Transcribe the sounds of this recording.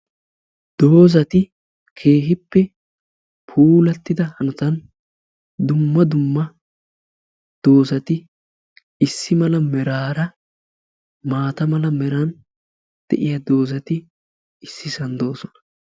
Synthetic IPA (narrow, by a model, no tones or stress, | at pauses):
d̪̥o̞ːzɐt̪ɪ | kʰe̞ːɦɪpːɛ | pʰuːlɐt̪ːɪd̪ɐhɐnʊt̪ɐn | d̪ʊmːɐd̪ʊmːɐ | d̪̥o̞ːzɐt̪ɪ | ɪsːɪmɐlɐmɛɾaːɾɐ | maːt̪ɐmɐlɐmɛɾɐn | d̪̥ɛ̰ʔɪjad̪o̞ːzɐt̪ɪ | ɪsːɪsɐnd̪o̞ːsɔnɐ̥